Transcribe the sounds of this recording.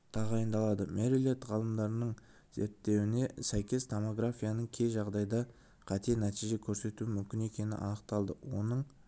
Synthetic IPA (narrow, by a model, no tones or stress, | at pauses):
t̪ʰɑʁɑjənd̪ɑlˠɑd̪əmeɾilet̪ʁɑlˠəmd̪ɑɾənəɴ | z̥e̞̰ɾt̪ːe̞wɪne̞sæjkʲe̞st̪ʰomo̞ɡɾafʲijanəɴkʲʰe̞jʒɑʁd̪ɑjd̪ɑ | qʰɑt̪e̞næt̪ijʒe̞kʲʰɵɾse̞t̪uɪmʏmkʲɪne̞kʲe̞nɪ̰ʔɑ̰nəq̚t̪ɑlˠd̪əwo̞nəɴ